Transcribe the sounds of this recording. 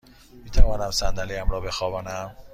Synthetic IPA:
miːt̪ʰævɒːnæmsænd̪æliæmɾɒːbe̞xɒːbæːnæm

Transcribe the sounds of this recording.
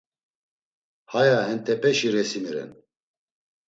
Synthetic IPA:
hajahɛnt̪ʰɛpʰɛʃiɾɛsimiɾɛ̰n

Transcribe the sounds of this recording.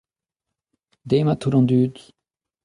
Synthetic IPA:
d̪emat̪ʰuɾɑ̃nd̪yːd̪

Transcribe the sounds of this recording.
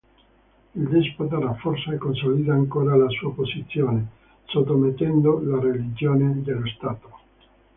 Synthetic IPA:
ild̪isput̪araforsaɛkːonsolid̪aːŋkoːɾalasuːapozit̪sːjoːne | sot̪ːomet̪ːɛnd̪olarelid͡ʒoːned̪elost̪aːt̪o

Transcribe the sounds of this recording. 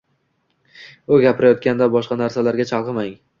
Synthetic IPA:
ʊɡʲapʰɪɾajɒt̪̚kʲand̪abɒʃqɑnaɾsalaɾɡʲat͡ʃʰɑlˠqɨmaŋ

